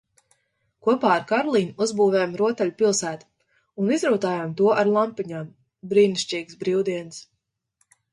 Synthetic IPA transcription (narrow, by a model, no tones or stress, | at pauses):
kuɔpaːaɾkaɾlˠiɲuzbuːvɛjamɾuɔt̪ɛʎʲupilˠsæːt̪u̥ | unizɾuːt̪aːjamt̪uɔʔaɾlˠampiɲaːm | bɾiːniʃt͡ʃiːɡsbɾiwd̪iɛns